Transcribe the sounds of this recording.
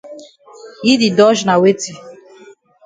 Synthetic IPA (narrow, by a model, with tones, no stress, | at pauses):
i˦di˨dɔ˦ʒna˨we˦ti˦˨